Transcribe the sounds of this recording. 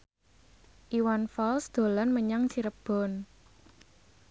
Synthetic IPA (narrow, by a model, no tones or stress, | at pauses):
ʔiwanfɔlsd̪̥o̤lɔnməɲaŋt͡ʃiɾəb̥ɔ̤n